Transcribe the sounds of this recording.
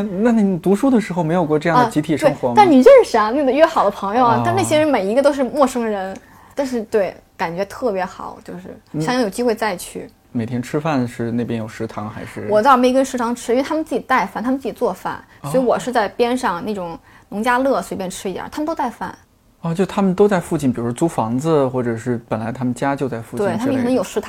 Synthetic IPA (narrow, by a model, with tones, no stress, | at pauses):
na˥˩n˩t̪u˧˥ʂu˥d̪ə˨ʂɻ̩˧˥xo˧ʊme˧˥ɪjkwɔ˧ʈ͡ʂɤ˥˧jɑ˥˧dt͡ɕi˧˥t̪ʰi˨˩ʂwɤ˥˩˥ŋxwɔ˧˥a˥˩ni˨˩ʈ͡ʂɻʂa˥ne˥˩ɡ̪ə˩ɥɛ˥˩xɑ˨˩ʊd̪ə˦pʰɤ˧˥ŋjo˧ʊɐ˩t̪a˥˧na˥˩ɕjɛ˥˧ɻə˧˥nme˨˩ɪi˧˥ɡə˧t̪o˥ʊʂɻ̩˥˧mwɔ˥˩ʂɤ˥ŋɻə˧˥n | t̪a˥˧nʂɻ̩˥˧t̪we˥˩ɪka˨˩nt͡ɕɥɛ˧˥t̪ʰɤ˥˩pjɛ˧˥xɑ̰˨˩˦ʊt͡ɕjo˥˧ʊʂɻ̩˥˩ɕjjŋjʊt͡ɕi˥xwe˥˧ɪt͡sa˥˧ɪt͡ɕʰy̰˥˩ | me˨˩t̪ʰjɛ˥nʈ͡ʂʰɻ̩˥fa˥˩nʂɻ̩˥˧ne˥˩p̬jɛ˥njo˨˩ʊʂɻ̩˧˥t̪ʰɑ˧˥ŋxa˧˥ɪʂɻ̩˥˩wɔ˨˩t͡sme˥ɪ˧kə˥nʂɻ̩˥t̪ʰɑ˧˥ŋʈ͡ʂʰɻ̩˥i˥˧a˥mə˨nt͡sɹ̩˥˩t͡ɕi˨˩t̪a˥˧ɪfa˥˩nt̪ʰm˧t͡s̩˥˩t͡ɕi˨˩t͡swɔ˥˩fa̰˥˩n | sɔ˧˥i˧˥wɔ˨˩ʂɻ̩˥˧t͡sa˥˩ɪpjɛ˥nʂɑ˥˧ŋna˥˩ʈ͡ʂʊ˨˩˦ŋ | nʊ˧˥ŋt͡ɕja˥lɤ˥˩swe˧˥ɪpjɛ˥˩nʈ͡ʂʰɻ̩˥i˧˥ja̰˨˩t̪ʰa˥mə˨nt̪o˥t͡sa˥˧ɪfa̰˥˩n | ɔ˥˧t͡ɕjo˥˧ʂt̪ʰa˥mə˨nt̪o˥ʊt͡sa˥˧ɪfu˥˧t͡ɕi˥˩npi˨˩u˧˥ʂɔ˥t͡su˥fɑ˧˥ŋd͡zə˧xwɔ˥˩ʈ͡ʂɤ˨˩ʂɻ̩˥˩pə˨˩nla˧˥ɪt̪ʰa˥mə˨nt͡ɕja˥t͡ɕjo˥˧ʊt͡sa˥˧ɪfu˥˧t͡ɕtwe˩˥ɪt̪ʰa˥˧˥ə˨kʰn˧˥ŋjo˨˩ʊʂɻ̩˥t̪ʰ